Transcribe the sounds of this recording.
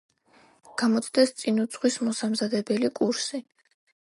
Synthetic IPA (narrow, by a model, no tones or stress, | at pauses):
ɡ̥amɔt̪sʰd̪ɛst̪sʼinud̪sχwismɔsamzad̪ɛbɛlikʼuɾsi